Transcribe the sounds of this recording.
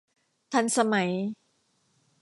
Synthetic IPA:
t̪ʰa˧nsa˧ma˩˦j

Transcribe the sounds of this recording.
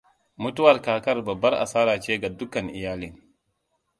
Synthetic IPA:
mʊ˦tu˦wɐ˨ɾkaː˨kɐ˦rbɐ˨bːɐ˦ɾʔa̰˨saː˦ɾaː˨t͡ʃeː˦ɡa˨dʊ˦kɐ˨nʔɪ˨jaː˦li˦ŋ

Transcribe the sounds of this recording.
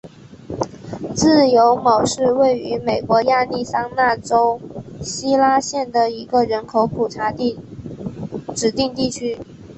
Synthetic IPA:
t͡sɹ̩˥˩jo˧˥ʊmo˨˩ʊʂɻ̩˥˧we˥˩ɪy˧˥me˨˩ɪkwɔ˧˥ja˥˧li˥˩sɑ˥ŋna˥˩ʈ͡ʂo˥ʊɕi˥la˥ɕjɛ˥˩nd̪ə˩i˧˥ɡə˨ɻə˧˥nkʰo˧˥ʊpʰu˨˩ʈ͡ʂʰa˧˥˧ | ʈ͡ʂɻ̩˨˩t̪i˥˧ŋt̪i˥˩t͡ɕʰy˥

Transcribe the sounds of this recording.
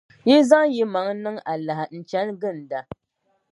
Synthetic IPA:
ji˦za˦ŋji˦ma˨˦ŋnɨ˦ŋa˨la˨hɪ˨n̩˨t͡ʃɛ˦nɡɨ˦˨n˨da˦

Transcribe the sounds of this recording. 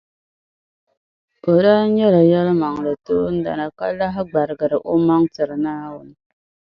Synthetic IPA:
o˨ɾa˦ɲɛ˦la˨ja˦lma˨ŋlə˨tu˦n̩˦da̰˨na˨ka̰˦la˦ɦɡ͡ba˨ɾɡə˨ɾə˨ʔo˦ma˦ŋtɨ˨ɾnaː˦wʊ˨n

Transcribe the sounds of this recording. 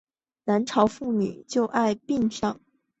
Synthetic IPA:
na˧˥nʈ͡ʂʰɑ˧˥ʊfu˥˩ny̰˨˩˦t͡ɕjo˥˧ʊʔa˥˧ɪpi˥˧ŋʂɑ˥˩ŋ

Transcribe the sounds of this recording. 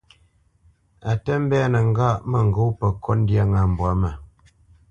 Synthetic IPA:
a˨tə˦m̩˦bɛ˦a˦nə˨ŋ˦ɡa˦ʔmə˨ŋ˨ɡo˦wpə˨kʰɔ˦n˦dja˦ŋa˨m˨bwa˨˦mə˨

